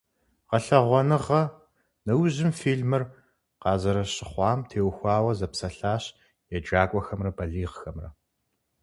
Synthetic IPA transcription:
ʁɐɬɐʁʷɔnɨʁɐ | nɐwʑɪmfiːɮmɨr | qɑːzɐɾɐɕɪχʷɑːmtʰeːwxʷɑːwɐzɐpsɐɬaːɕ | jɛd͡ʒaːkʷʼɔxɐmrɐbɐɮiːʁxɐmrɐ̰

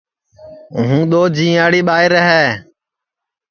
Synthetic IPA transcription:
ɦũːɗ̪oːd͡ʒĩːaːɽiːɓaːɪɾəɦɛː

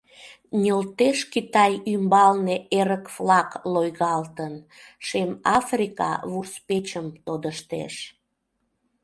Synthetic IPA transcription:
nʲolt̪eʃkit̪ɑjymbɑlneeɾəkvlɑklojɣɑlt̪ənʃemɑfrʲikɑ̰βurspet͡ɕəmt̪od̪əʃt̪ḛʃ

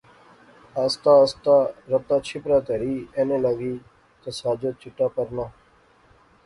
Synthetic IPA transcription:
aːst̪aːəst̪aːɾəp̚t̪aːt͡ʃʰɪpɾaːt̪eːɾiːeːnẽːləɡiː | t̪osaːd͡ʒot̪̚t͡ʃɪʈːaːpəɾnaː

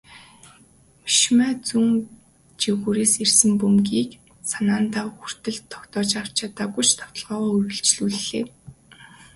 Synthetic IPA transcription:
miʃmæːt͡suŋ | t͡ɕiɣuːɾeːsersɘ̆mpumɡiːk | sanaːnt̪aːxur̥t̪ɘ̆ɮt̪ʰːɔ̥kt̪ɔːt͡ɕar̥t͡ɕʰat̪aːɡut͡ɕt̪ʰɔw̥t̪ɞ̆ɮʁɔːʁɔːurɣɘ̆ɬt͡ɕɮuːɮːeː

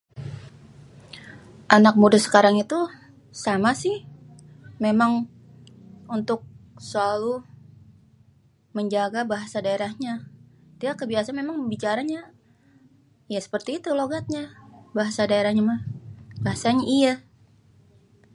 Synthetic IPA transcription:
ʔanak̚mudasə̥kaɾaŋit̪u | samasɪh | memaŋ | unt̪ʊk̚səlalu | məɲd͡ʒaɡabaɦasadaeɾahɲat̪iakəbiasanmemaŋbit͡ʃaɾaɲa | jasə̥pərt̪iːt̪uloɡat̪̚ɲabaɦasadaeɾahɲamabaɦasaɲaʔija

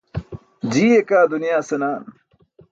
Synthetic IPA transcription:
d͡ʑiːekaːd̪unijaːsenaːn

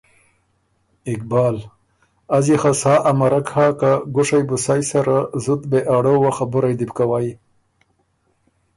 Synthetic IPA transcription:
ɪkbɑːl | azixasaːʔamaɾakhakaɡʊʂajbʊsajsaɾazut̪beʔaɽowaxabʊɾajd̪ipkawaj

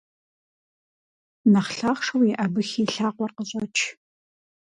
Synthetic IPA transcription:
nɐχɬaːχʂɐwjɪʔɐbɨxiːɬaːqʷɔrqəɕʼɐt͡ʃʰ

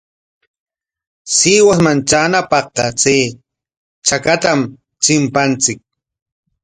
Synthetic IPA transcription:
siːwasmant͡ʃaːnapɑχqɑt͡seː | t͡ʃakat̪am | t͡ʃɪmpant͡sɪk̚

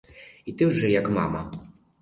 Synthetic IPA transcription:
it̪ɨʐɘjakma̰ma

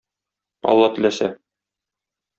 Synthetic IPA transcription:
ɒ̰lˠːɑt̪ɘ̆læsæ

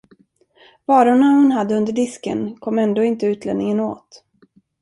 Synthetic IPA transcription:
vɑːɾʊɳahʊnɦad̪ːəɵnd̪əɖɪskə̰nkʰɔmːɛnd̪oːɪnt̪əʉ̟ːt̪ʰlɛ̰nnɪŋəno̰ːt̪

